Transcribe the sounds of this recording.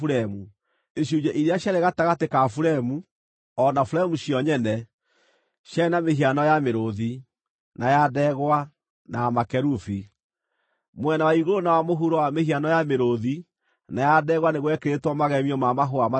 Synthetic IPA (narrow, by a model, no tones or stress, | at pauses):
uɾɛmu | eɕud͡ʒɛʔiɾeaɕjaɾeɣataɣatekafuɾɛmu | ɔnafuɾɛmuɕjɔɲɛnɛ | ɕjanameɦianɔjameɾoði | najadɛɣwa | naamakɛɾufi | mwɛnawaiɣoɾonawamoɦuɾɔwamehianɔjameɾoði | najadɛːɣwaneɣwɛkeɾetwɔmaɣɛmiɔmamaɦoama